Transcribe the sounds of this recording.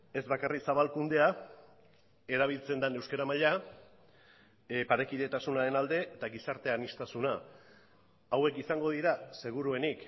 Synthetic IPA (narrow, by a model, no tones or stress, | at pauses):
e̞zβakariksaβalkund̪e̞a | e̞ɾaβ̞ilt͡se̞nd̪ane̞wskaɾamaʎa | paɾe̞kiðe̞t̪asunaɾe̞nald̪e̞t̪aɣisaɾt̪e̞anist̪asuna | awe̞kisaŋɡo̞ð̞iɾase̞ɣ̞uɾue̞nik